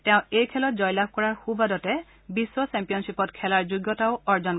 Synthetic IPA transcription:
tɛʊ̃ejkʰɛlɔt̚zɔjlab̚ʱkɔɹaɹxubadɔtɛ | bisːɔsɛ̃mpijɔnsipɔtkʰɛlaɹzuɡːɔtaʊɔɹzɔn

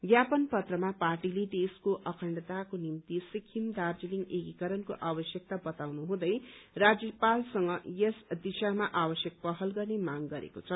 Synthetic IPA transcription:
ɡjapʌnpʌt̪rʌmaparʈiled̪eskoʔʌkʰʌɳɖʌt̪akonimt̪isikʰimd̪ard͡ziliŋɡeɡikʌɾʌnko̰ʔabʌsjʌk̚t̪abʌt̪awnuɦũd̪ʌjrad͡zjʌpalsʌŋɡʌjesd̪isamaʔabʌsjʌk̚pʌɦʌlɡʌrnemaŋɡʌɾḛkot͡sʰʌ

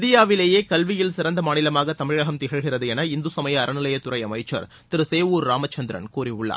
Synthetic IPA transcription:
ðɪjaːʋɪleːjeːkɐlʋɪjɪlsɪɾɐnd̪ɐmaːnɪlɐmaːɣɐt̪ːɐmɪɻɐɣɐmt̪ɪɣɐɭɣɪrɐðɯɛnɐɪnd̪usɐmɐjɐːɾɐnɪlɐjɐt̪ːʊɾɐjɐmɐɪt͡ʃːɐ̰ɾ | t̪ɪɾɯseːʋuːɾːaːmɐt͡ʃːɐnd̪ɪɾɐ̰nkuːɾɪʊɭːa̰ː

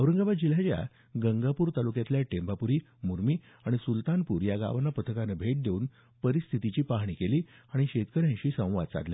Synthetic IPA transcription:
əʋɾəŋɡaʋad̪̚d͡ʑilat͡ɕja̰ | ɡəŋɡapuːɾt̪alukjat̪ljaʈembapuɾiː | muɾmiː | aɽ̃isult̪anpuːɾjaɡa̰ʋnapət̪ʰəkanəbʱeʈ̚d̪euːn | pəɾist̪ʰit̪it͡ɕiːpaɦɳ̃ikeliːaɽ̃iɕet̪kəɾjãɕiːsə̃w̃ʋa̰d̪̚t͡sa̰d̪lja̰

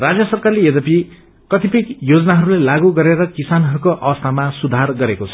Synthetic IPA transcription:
rad͡zjʌsʌrkarlejʌd̪ʌpi | kʌt̪ʰipikjod͡zʌnaɦʌɾulelaɡuɡʌɾeɾʌkisanɦʌɾukoʔʌwʌst̪ʰamasud̪ʱarɡʌɾekot͡sʰʌ

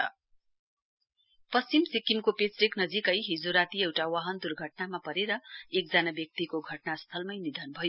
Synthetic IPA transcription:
pʌst͡ɕimsikimkopet͡sriknʌd͡zikʌjɦid͡zoɾat̪iewʈawʌɦʌnd̪urɡʱʌʈnamapʌɾeɾʌek̚d͡zanabjʌk̚t̪ikoɡʱʌʈnast̪ʰʌlmʌjnid̪ʱʌnbʱʌjo

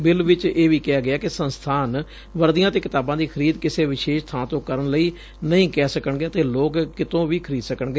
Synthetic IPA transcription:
bɪlʋɪt͡ʃeːʋiːkɪaːɡɪaːkɪsənst̪ʰaːn | ʋəɾd̪ijãːt̪eːkɪt̪aːbãːd̪iːkʰəɾiːd̪kɪseːʋɪʃeːʃt̪ʰãːt̪õːkəɾəɳləiː | nəɦĩːkɛːsəkəɳɡeːət̪eːloːkkːɪt̪õːʋiːkʰəɾiːd̪səkəɳɡeː

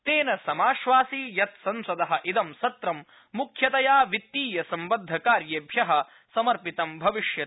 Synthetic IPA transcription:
t̪eːnɐsɐmaːʃʋaːsiːjɐt̪sɐmsɐd̪ɐɦɐʔid̪ɐmsɐt̪ɾɐmː | ukʰjɐt̪ɐjaːʋit̪ːiːjɐsɐmbɐd̪ʱːɐkaːɾjeːbʱjɐɦɐ | sɐmɐɾpit̪ɐmbʱɐʋiʃjɐ

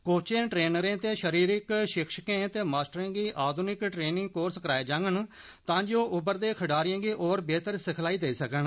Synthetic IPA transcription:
koːt͡ʃẽːʈɾeːnəɾẽːt̪eːʃəɾiːɾɪkʃɪkʰʃkẽːt̪eːmaːsʈəɾẽːɡiːʔaːd̪ʱunɪkʈɾeːnɪ̃ŋɡkoːɾskəɾaːeːd͡ʒãːŋɡən | t̪ãːd͡ʒoːʔʊbəɾd̪eːkʰəɖaːɾɪjẽːɡiːʔoːɾbeːt̪əɾsɪkʰlaːiːd̪eːiːsəkəɳ

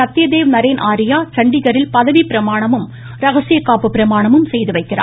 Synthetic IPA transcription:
ɐt̪ːɪjɐd̪eːʋnɐɾeːnʔaːɾɪjaːt͡ʃɐɳɖɪɣɐɾɪlpɐðɐʋipɪɾɐmaːɳɐmɯm | ɾɐɣɐsɪjɐkːaːpɯpːɪɾɐmaːɳɐmɯmsɛjðɯʋɐɪkːɪra̰ː

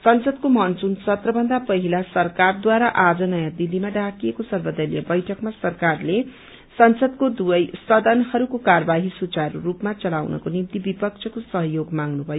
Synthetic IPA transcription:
sʌnsʌd̪komʌnt͡sunsʌt̪rʌbʌnd̪apʌɦilasʌrkard̪waɾaʔad͡zʌnʌjãd̪ilːimaɖakiekosʌrbʌd̪ʌljʌ̰bʌjʈʰʌkmasʌrkarle | sʌnsʌd̪kod̪ubʌjsʌd̪ʌnhʌɾukokarbaɦisut͡saɾuɾupmat͡sʌlawnʌ̰konimt̪ibipʌk̚t͡sʰʌkosʌɦʌjoɡmaŋɡnubʱʌjo

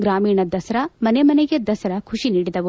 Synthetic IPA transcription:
ɡɾaːmiːɳɐd̪ɐsɐɾɐmɐnemɐneɡed̪ɐsɐɾɐkʰuʂiniːɽid̪ɐʋu

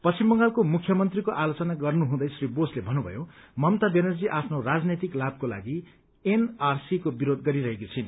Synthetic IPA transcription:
pʌst͡simbʌŋɡalkomukʰjʌmʌnt̪rikoʔalot͡sʌnaɡʌrnuɦũd̪ʌjsriboslebʱʌnːubʱʌ̰jomʌmt̪abenʌrd͡ziʔapʰnorad͡znet̪iklab̚kola̰ɡi | enarsikobiɾod̪̚ɡʌɾiɾʌɦekot͡sʰin

